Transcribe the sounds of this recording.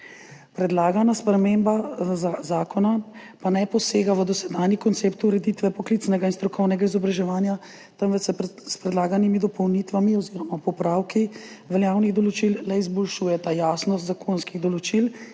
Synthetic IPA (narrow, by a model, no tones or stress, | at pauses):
pɾɛd̪laːɡanaspɾɛmembazaːkɔna | panɛjpɔseːɡaʋəd̪ɔsɛd̪aːnjikɔnt̪seːpt̪uɾɛd̪it̪ʋɛpɔklit̪snɛɡainst̪ɾɔkʰɔwnɛɡaizɔbɾaʒɛʋaːnja | t̪əmʋəsɛspɾɛd̪laːɡanimid̪ɔpɔwnit̪ʋamiɔziːɾɔmapɔpɾaːwki | ʋɛljaːwniɣd̪ɔlɔt͡ʃillɛizbɔlʃuːjɛt̪ajaːsnɔst̪zakʰonskiɣd̪ɔlɔt͡ʃil